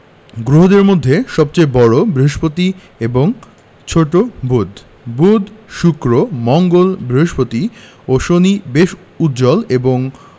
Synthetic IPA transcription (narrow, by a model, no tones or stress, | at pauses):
ɡɾoɦod̪eɾmod̪ʱːeʃɔb̚t͡ɕeebɔɽobɾiɦoʃpot̪i | eboŋ | t͡ɕʰoʈobud̪ʱ | bud̪ʃukɾomɔŋɡolbɾiɦoʃpot̪i | oʃonibeʃ | ut̪̚d͡ʑɔleboŋ